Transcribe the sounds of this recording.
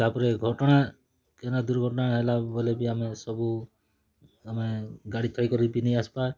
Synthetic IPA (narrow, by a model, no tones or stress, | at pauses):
t̪apɔɾeɡʱɔʈɔɽ̃a | kenad̪uɾɡʱɔʈɔnaɦelabolebiamesɔbu | ameɡaɽit̪ʰɔjkɔɾibinejaspa